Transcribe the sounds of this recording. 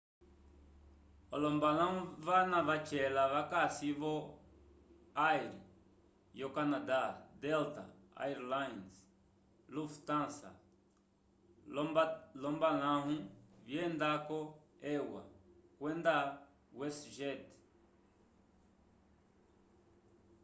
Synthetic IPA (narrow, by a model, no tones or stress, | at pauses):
ɔlɔmbalãũvanavat͡ʃɛlaβakasiβɔ | ajɾḭ | jɔkanadad̪ɛlta̰ | a̰jɾlajns | luft̪ãnsa̰ | lɔmbalãɦũβjɛnd̪akɔ | ɛwa̰kwɛnd̪a | wɛsʒɛt